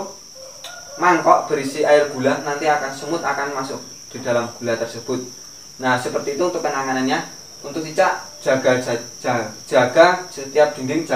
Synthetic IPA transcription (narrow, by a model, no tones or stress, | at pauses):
maŋkɔʔb̥əɾisiaɪrɡ̥ṳlanant̪iakansəmʊt̪akanmasʊk̚ | d̪̥i̤d̪̥a̤lamɡ̥ṳlat̪ərsəb̥ʊt̪̚ | nasəpərt̪iːt̪uunt̪ʊk̚pənaŋananɲa | unt̪ʊk̚t̪it͡ʃaʔd̥ʒ̥a̤ɡ̥a̤̥ | d͡ʒ̥a̤ɡ̥a̤sət̪iap̚d̪̥iŋɡɪŋd͡ʒ